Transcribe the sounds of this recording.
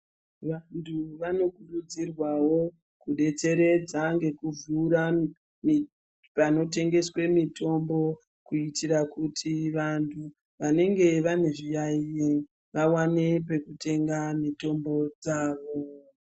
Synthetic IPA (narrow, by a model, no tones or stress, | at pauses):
ʋantʰuʋano̞kuɗud͡zirwawo̞ | kuɗe̞t͡se̞ɾe̞d͡zaŋɡe̞kuvuːɾa | mi | pano̞te̞ŋɡe̞swe̞mito̞mbo̞ | kuitiɾakutʰiʋantʰu | ʋane̞ŋɡe̞ʋane̞ʐijaie | ʋawane̞p̬e̞kutʰe̞ŋɡamito̞mbo̞d͡zaːʋo̞